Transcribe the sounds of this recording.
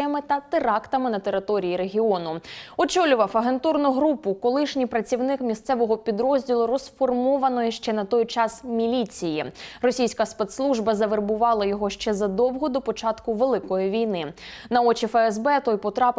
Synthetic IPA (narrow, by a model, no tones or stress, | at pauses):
jɐmɪt̪ɐt̪ɪɾɑkt̪ɐmɪnɐt̪e̞ɾɪt̪ɔɾʲijiɾeɦʲiɔnʊɔt͡ʃɔlʲʊʋɐfɐɦe̞nt̪urnʊɦɾupʊkɔlˠɪʃnʲipɾɐt͡sʲiwnɪkmʲist̪sɛʋɔɦɔpʲid̪ɾɔzʲdʲilˠʊɾɔsfɔrmɔʋɐnɔjɪʃt͡ʃɛnɐt̪ɔjt͡ʃɑsmʲilʲit͡sʲijirɔsʲijsʲkɐspet̪slˠuʒbɐzɐʋerbʊʋɑlˠɐjɔɦɔʃt͡ʃɛzɐd̪ɔwɦɔd̪ɔpɔt͡ʃɑt̪kʊʋelˠɪkɔjiʋʲijnɪ | nɐɔt͡ʃifɛɛzbɛt̪ɔjpɔt̪ɾɑp